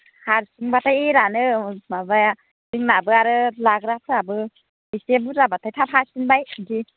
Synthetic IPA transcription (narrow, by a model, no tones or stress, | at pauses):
haɾsiŋbatʰajeɾanɯmabaja | siŋnabɯaɾɯlaɡɾap̚ʰɾabɯ | isebuɾabatʰajtʰapʰasinbajɡi